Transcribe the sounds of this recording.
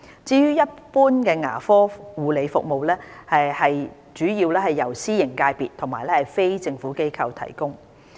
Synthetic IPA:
t͡siː˧jyː˥jɐ˥t̚puː˥nkɛː˧ŋa̰ː˨˩fɔː˥wuː˨le˨˧jfʊ̰˨k̚mo˨wlɛː˥hɐ˨hɐ˨j | t͡ʃyː˨˥jiː˧wlɛː˥hɐ˨jːɐ˨˩wsiː˥jɪ˨˩ŋkaː˧jpiː˨t̪ʰʊ˨˩ŋmaː˨˩jlɛː˥hɐ˨˩jfe˥jt͡sɪ˧ŋfuː˨˥ke˥jkʰɐ˧wt̪ʰɐ̰˨˩jkʊ˥ŋ

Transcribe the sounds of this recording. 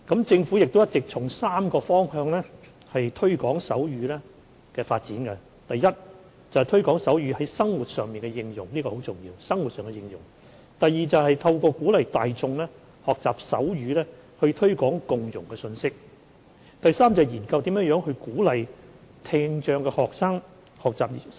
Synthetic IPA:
kɐ˨˥mt͡sɪ˧ŋfuː˨˥jɪ˨k̚t̪o˥jɐ˥t̚t͡sɪ˨k̚t͡sʰʊ˨˩ŋsaː˥mkɔː˧fɔː˥ŋhœː˧ŋlɛː˥ | hɐ˨jt̪ʰɵ˥ɥkɔː˨˥ŋsɐ˨˥wjyː˨˥lɛː˥ | kɛː˧faː˧t̚t͡siː˨˥nkɛ˧ | t̪ɐ˨jjɐ˥t̚ | t͡sɐ˨˩ht̪ʰɵ˥ɥkɔː˨˥ŋsɐ˨˥wjyː˨˧˥hɐ˨˥jsɐ˥ŋwuː˨t̚sœː˨ŋmiː˨nkɛ˧jɪ˧ŋjʊ̰˨˩ŋliː˥kɔː˧ho˨˥wt͡sʊ˨˩ŋjḭː˧wsɐ˥ŋwu˨t̚sœː˨ŋɛ˧jɪ˧ŋjʊ̰˨˩ŋ | t̪ɐ˨jːiː˨t͡sɐ˨whɐ˨jt̪ʰɐ˧wkɔː˧kuː˨˥lɐ˨jt̪aː˨jt͡sʊ˧ŋlɛː˥ | hɔː˨k̚t͡saː˨˩p̚sɐ̰˨˥wɥyː˨˧lɛː˥hɵ˧t̪ʰɵ˥ɥkɔː˨˥ŋkʊ˨ŋjʊ˨˩ŋkɛ˧sɵ˧nsɪ˥k̚ | t̪ɐ˨jsaː˥mt͡sɐ˨jiː˨˩nkɐ˧wt̪i˨˥mjœː˨˥jœː˨˥ŋhɵ˧ɥkuː˨˥lɐ˨j | t̪ʰɪː˧ŋt͡ʃœː˧ŋkɛː˧hɔː˨k̚saː˥ŋ | hɔː˨k̚t͡saː˨p̚

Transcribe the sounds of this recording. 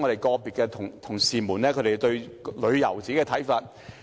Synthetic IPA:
ŋɔ˨˧ɾe˨˩jkɔː˧piː˨t̚kːɛː˧t̪ʰʊ˨˩ŋt̪ʰʊ˨˩ŋsiː˨muː˨˩nlɛː˥kʰɵ˨˧ɾe˨˧t̪ɵ˧ɥlɵ˨˧ɥjɐ˨˩wt͡siː˨˥kɛː˧t̪ʰɐ˨˥jfaː˧t̚

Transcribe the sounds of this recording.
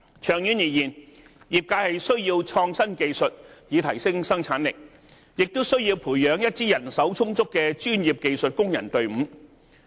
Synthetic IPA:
t͡ʃʰœː˨˩ŋjy˨˧njiː˨˩jiː˨˩n | jiː˨˩p̚kaː˧hɐ˨jsɵ˥ɥjiː˧wt͡ʃʰɔː˧ŋsɐ˥nke˧jsɵ˨t̚jiː˨˧t̪ʰɐ˨˩jsɪ˥ŋsɐ˥ŋt͡sʰaː˨˥nlɪ˨k̚ | jɪ˨k̚t̪o˥wsɵ˥ɥjiː˧wpʰuː˨˩jœː˨˧ŋjɐ˥t̚t͡siː˥jɐ˨˩nsɐ˨˥wt͡sʰʊ˥ŋt͡sʊ˥kːɛː˧t͡ʃyː˥njiː˨p̚ke˨˧jsɵ˨t̚kʊ˥ŋjɐ˨˩nt̪ɵ˨˧ɥm̩ː˨˥

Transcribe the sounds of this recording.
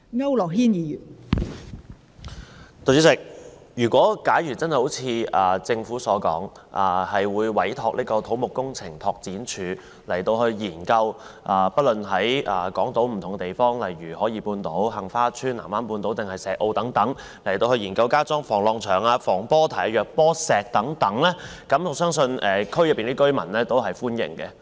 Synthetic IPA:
ŋɐ˥wlɔː˨k̚hiː˥njiː˨˧jyː˨˩n | t̪o˨˧y˥sɪ˨˧˩k̚jyː˨˩kʷwɔː˨˥kaː˨˥jɥyː˨˩t͡sɐ˥nhjho˨˥wt͡sʰiː˨˧ɐː˨˩t͡sɪ˧ŋfuː˨˥sɔː˨˥kɔ̰ː˨˥ŋʔaː˨˩hɐ˨jwuː˨˧jwɐ˨˥jt̪ʰɔː˧k̚lʔiː˥kɔː˧t̪ʰo˨˥wmʊ˨kːʊ˥ŋt͡sʰɪ˨˩ŋt̪ʰɔː˧k̚t͡siː˨˥nt͡ʃʰyː˨˧˥ | lɐ˨˩jt̪o˧whɵ˧ɥjiː˨˩nkɐ˧w | ʔaː˨˧pɐ˥lɵ˨nɦɐ˨˥jaː˨˩kɔː˨˥ŋt̪o˨˥wm̩˨˩t̪ʰŋɡɛ˧t̪e˨jfɔː˥ŋlɐ˨jɥyː˨˩hɔː˨˥jiː˧puː˧nt̪o˨˥wɦɐ˨ŋfaː˥t͡ʃʰyː˥nlaː˨˩maː˥npuː˧nt̪o˨˥wt̪ɪ˨ŋhɐ˨jsɛː˨k̚ʔo˧wt̪ɐ˨˥ŋt̪ɐ˨˥ŋ | lɐ˨˩jt̪o˧whɵ˧ɥjiː˨˩nkɐ˧wkaː˥t͡sɔː˥ŋfɔː˨˩ŋlɔː˧ŋt͡ʃʰœː˨˩ŋaː˧fɔː˨˩ŋpɔː˥t̪ʰa˨˩jjœː˨k̚pɔː˥sɛː˨˩k̚t̪ɐ˨˥ŋt̪ɐ˨˥ŋlɛː˥ | kɐ˨˥mɔː˨˥sœː˥ŋsɵ˧nʔɛː˨kʰɵ˥ɥjɐ˨˩pːiː˨niː˥kɵ˥mɐ˨˩nlɛː˥t̪o˥wɦɐ˨jfuː˥njɪ̰˨˩ŋkɛ˧

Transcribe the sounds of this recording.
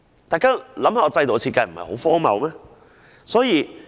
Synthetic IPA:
t̪aː˨jkaː˥lɐ˨˥mhaː˨˧˩ɔ˨˧t͡sɐ˧jt̪o˨˧t͡sʰi˧t̚ka˧jm̩˨˩hɐ̰˨jho˨˥wfɔː˥mɐ̰˨wmɛː˥ | sɔː˨˥jiː˨˧

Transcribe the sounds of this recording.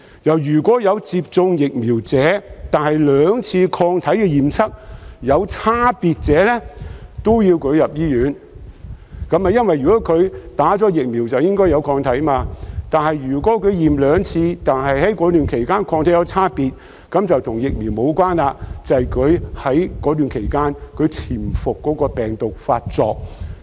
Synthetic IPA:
jɐ˨˩wjyː˨˩kʷɔː˨˥jɐ˨˧wt͡siː˧p̚t͡sʊ˧ŋjɪ˨k̚miː˨˩wt͡sɛː˨˥t̪aː˨nhɐ˨jlœː˨˧ŋt͡sʰiː˧kʰɔː˧ŋt̪ʰɐ˨˥jkɛ˧jiː˨˩mt͡sʰɐ˥k̚jɐ˨˧wt͡sʰaː˥piː˨t̚t͡sɛː˨˥lɛ˥t̪o˥wjiː˧wkʰɵ˨˧ɥjɐ˨p̚jiː˥jyː˨˥n | kɐ˨˥maː˨jɐ˥nwɐ˨jːyː˨kɔː˨˥kʰɵ˨˧ɥt̪aː˨˥t͡sɔː˨˥jɪ˨k̚mi˨˩wt͡sɐ˨wjɪ˥ŋkɔː˥jɐ˨˧wkʰɔː˧ŋt̪ʰɐ˨˥jmaː˧t̪aː˨nhɐ˨jjyː˨˩kɔː˨˥kʰɵ˨˧ɥjiː˨˩mlœː˨˧ŋt͡sʰiː˧t̪aː˨nɦɐ˨jhɐ˨˥jkɔː˨˧˥t̪yː˨nkʰe˨˩jkaː˥nkʰɔː˧ŋt̪ʰjɐ˨˧wt͡sʰaː˥piː˨t̚ | kɐ˨˥mt͡sɐ˨wt̪ʰʊ˨˩ŋjɪ˨k̚miː˨˩wmo˨˧wkwaː˥nlaː˧t͡sɐ˨jkʰɵ˨˧ɥhɐ˨˥jkɔː˨˥t̪yː˨˩nkʰe˨˩jkaː˥nkʰɵ˨˧ɥt͡sʰiː˨˩mfʊ˨kːɔː˨˥kɔː˧pɛː˨˩ŋt̪ʊ˨k̚faː˧t̚t͡sɔ̰ː˧k̚

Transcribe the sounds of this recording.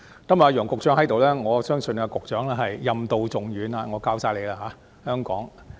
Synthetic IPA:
k̪ɐ˨˥ma˨˩˧jœː˨˩ŋkʊ˨k̚t͡ʃœː˨˥ŋhɐ˨˥jt̪o˨wlɛː˥ŋɔː˨˧sœː˥ŋsɵ˧n˧kʊ˨k̚t͡ʃœː˨˥ŋlɛː˥ɦɐ˨˩jjɐ˨˧mt̪o˨wt͡sʊ˨ŋɥyː˨˧na˧ŋɔː˨˧kaː˧wsaː˧jle˨˧jla˧ɦaː˨˧˥ | hœː˥ŋkɔ̰ː˨˥ŋ

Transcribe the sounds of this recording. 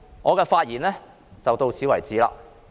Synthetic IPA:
ŋʔɔː˨˧kɛː˧faː˧t̚jiː˨˩nlɛː˥ | t͡sɐ˨wt̪o˧wt͡sʰiː˨˥wɐ˨jt͡siː˨˥la̰ː˧

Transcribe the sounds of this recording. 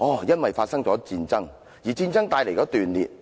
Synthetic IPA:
ɔː˨˩jɐ˥nwɐ˨jfaː˧t̚sɐ˥ŋt͡ʃɔː˨˥t͡siː˧nt͡sɐ˥ŋ | jiː˨˩t͡siː˧nt͡sɐ˥ŋt̪aː˧jle˨˩jkɔː˨˦˥t̪yː˨˩nlḭ˨t̚

